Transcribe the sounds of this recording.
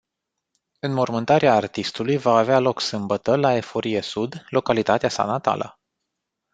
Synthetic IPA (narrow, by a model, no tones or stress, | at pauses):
ɨnmo̞rmɨnt̪aɾeaːrt̪ist̪ulujvaːvealo̞ksɨmbət̪əlae̞fo̞ɾije̞sud̪lo̞kalit̪at̪easa̰nat̪a̰lʔə̰